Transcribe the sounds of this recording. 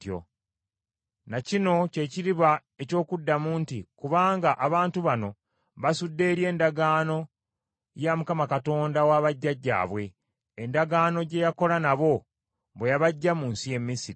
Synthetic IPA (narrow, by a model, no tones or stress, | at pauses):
jo̰ | nacino̞ce̞ːciɾiβa | e̞co̞ːkudːamuːntikuβaːŋɡaʔaβaːntuβano̞ | βasudːe̞ɾje̞ːndaɡaːno̞ | jamukamakato̞ːndawaːβaɟːaɟːa̰ːβwe̞ː | ndaɡaːno̞ɟe̞jako̞lanaβo̞ | βwejaβaɟːamuːnsije̞mːisiɾi